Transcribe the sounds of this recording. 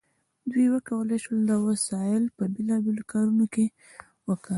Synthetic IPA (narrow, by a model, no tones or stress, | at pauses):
d̪wijwəkawəlejʃwəld̪əwasɑɪlpəbelɑbelokɑɾunoke | wəkə